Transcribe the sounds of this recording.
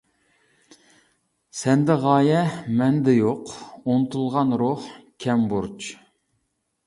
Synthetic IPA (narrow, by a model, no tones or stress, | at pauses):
sɛnd̪ɛʁɑːjɛmɛnd̪ɛjoqonɨt̪ʰulˠʁɑnɾoχkʲʰɛmbuɾt͡ʃʰ